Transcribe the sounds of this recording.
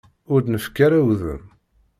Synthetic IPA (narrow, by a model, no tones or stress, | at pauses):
ʊɾd̪nəfkaɾæwðə̰m